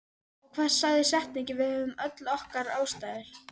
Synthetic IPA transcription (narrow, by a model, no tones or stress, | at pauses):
ɔkʰv̥ɛ̥saɣðɪsɛht̪nɛcɪvɪðhœvʏmœt̪lɔhkaɾaːwst̪aːjðɪɾ̥